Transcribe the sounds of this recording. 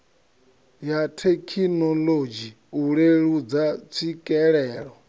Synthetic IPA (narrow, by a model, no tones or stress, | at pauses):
jatʰekʰinɔlod͡ʒi | uɺeɺud͡zat͡sʰikʼɛɺɛːɺɔ